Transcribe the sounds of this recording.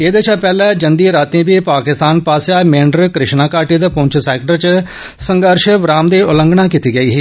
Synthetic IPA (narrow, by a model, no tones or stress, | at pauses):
eːd̪eːt͡ʃʰaːpɛːlɛːd͡ʒənd̪iːɾaːt̪ẽːbiːpaːkɪst̪aːnpaːsjaːmẽːɳɖəɾkɾɪʃnaːkaːʈiːd̪əpõɲt͡ʃʰsɛːkʈəɾt͡ʃ | sə̃ŋɡəɾʃʋɾaːmd̪eːʊlə̃ŋɡɳ̃ãːkit̪iːɡəiːɦiː